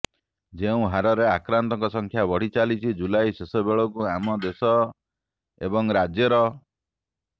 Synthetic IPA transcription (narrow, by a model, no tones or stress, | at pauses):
d͡ʒeũɦaɾɔɾeakɾant̪ɔŋkɔsɔŋkʰjabɔɽ̤it͡ʃalit͡ʃʰid͡ʒulajsesɔbeɭɔkuamɔd̪esɔ | ḛbɔŋɾad͡ʒjɔɾɔ